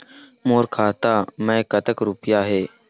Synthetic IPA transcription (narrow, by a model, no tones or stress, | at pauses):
moːɾkʰaːt̪amə̃kət̪əkɾupjaɦeː